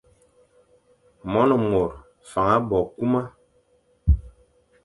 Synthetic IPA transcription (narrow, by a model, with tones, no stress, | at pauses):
mɔ˦nɔ˨mo˨ɾ | fa˨ŋa˦bɔ˨ku˦ma˦